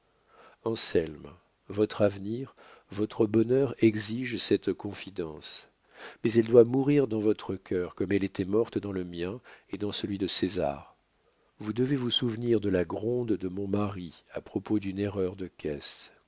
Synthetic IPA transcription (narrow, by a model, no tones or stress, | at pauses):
ɑ̃sɛlm | vɔt̪χavniʁ | vɔt̪χəbɔnœʁɛɡziʒsɛt̪kɔ̃fid̪ɑ̃s | mɛzɛld̪wamuʁiʁd̪ɑ̃vɔt̪χəkʲʰœʁkɔmɛlet̪ɛmɔʁt̪d̪ɑ̃ləmjɛ̃ed̪ɑ̃səlɥid̪əseza̰ʁ | vud̪əvevusuvniʁd̪əlaɡʁɔ̃d̪d̪əmɔ̃maʁiapχɔpod̪yneʁœʁd̪əkʲɛs